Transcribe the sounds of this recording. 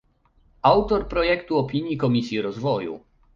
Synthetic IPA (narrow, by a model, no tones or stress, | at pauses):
awt̪ɔɾpɾɔjɛkt̪uɔpʲiɲjikɔmʲisʲjiɾɔzvɔjṵ